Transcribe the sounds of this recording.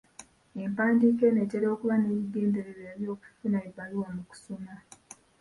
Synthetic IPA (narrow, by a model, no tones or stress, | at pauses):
e̞mpaːndike̞ne̞ceɾo̞kuβane̞ːβiɡe̞ːnde̞ɾeɾeːɾjo̞ːku̥funaebaliwomuku̥suma